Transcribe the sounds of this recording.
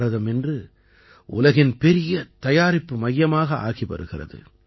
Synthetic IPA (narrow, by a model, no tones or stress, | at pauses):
ɾɐðɐmɛndrɯ | ʔʊ̰lɐɣɪnpɛɾɪjɐt̪ɐjaːɾɪpːɯmɐjːɐmaːɣɐʔa̰ːɣipɐ̰ɾɯɣɪrɐ̰ðɯ̰